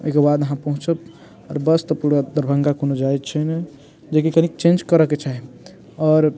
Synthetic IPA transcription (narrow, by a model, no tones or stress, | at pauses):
o̰jkebad̪əɦãpəɦũt͡ʃəp | ɔɾbəst̪əpuɾad̪əɾbʱəŋɡakonod͡ʒajt͡ʃʰəne | d͡ʒek̬ikənikt͡ʃẽnd͡ʒkəɾəket͡ʃʰaɦi | ɔɾ